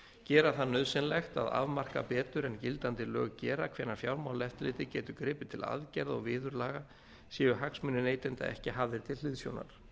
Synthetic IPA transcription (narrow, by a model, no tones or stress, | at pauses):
cɛːɾaθanœðsɪnlɛxt̪a̰ða̰vmar̥ka̰pɛːt̪ʏɾɛncɪlt̪ant̪ɪlœ̰ːɣcɛːɾakʰv̥ɛːnaɾ̥fjawɾmawlɛft̪lɪːt̪ɪcɛːt̪ʏkɾɪːpɪt̪ʰɪla̰ðcɛɾðɔ̰ɣvɪːðʏɾlaːɣa | siːjʏɾɦaksmʏnɪneːjt̪ɪnt̪a̰ɛhcɪɦavðɪɾ̥t̪ʰɪllɪːðsjo̰wna̰ɾ̥